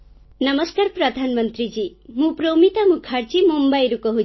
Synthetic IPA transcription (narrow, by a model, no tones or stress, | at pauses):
nʌmʌskaɾpɾʌd̪ʱanmʌnt̪ɾid͡ʒimũpɾomit̪amukʰaɾt͡ʃimumbajɾukʌɦu